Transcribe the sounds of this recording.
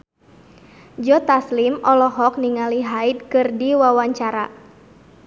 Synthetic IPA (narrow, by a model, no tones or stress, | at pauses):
d͡ʒɔt̪aslimʔɔlɔɦɔk̚niŋaliɦaid̪̚kɨrdiwawaɲt͡ʃaɾa